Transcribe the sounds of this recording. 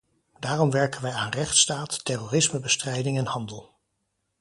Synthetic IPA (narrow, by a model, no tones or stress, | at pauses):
d̥aːrɔmʋɛɹkənʋɛjaːnrɛχtstaːtːɛroːrɪsməbəstrɛjdɪŋɛnhɑndəlˠ